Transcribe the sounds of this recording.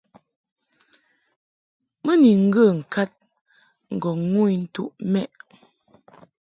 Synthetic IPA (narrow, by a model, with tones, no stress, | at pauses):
mə˦ni˨ŋ̩˦ɡə˦˨ŋ̩˨ka˦t̚ | ŋ̩˨ɡɔ˨ŋu˦i˦n̩˦tu˦ʔmɛ˦ʔ